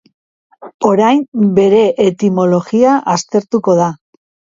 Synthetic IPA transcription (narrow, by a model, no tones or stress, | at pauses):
o̞ɾajmbe̞ɾe̞ʔet̪imo̞lo̞ɣiaʔast̪e̞ɾt̪uko̞ð̞a